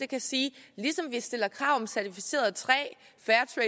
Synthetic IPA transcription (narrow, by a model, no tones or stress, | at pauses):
d̥e̝kʰæsiːlisɒ̽mʋisd̥e̝lɐkʰʁɑ̈ʊ̰ɒmsæɐt͡sʰifi̥se̝̰ːɐð̩ˠt͡sʰʁɛ̰ː | fæːɐt͡sʰʁɛ